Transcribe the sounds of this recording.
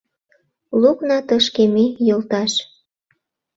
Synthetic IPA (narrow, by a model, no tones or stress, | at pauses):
luknɑt̪əʃkemejolt̪ɑʃ